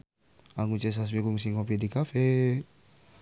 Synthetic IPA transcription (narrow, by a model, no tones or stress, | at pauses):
aŋut͡ʃes̬as̬mikuŋs̬iŋopidikafe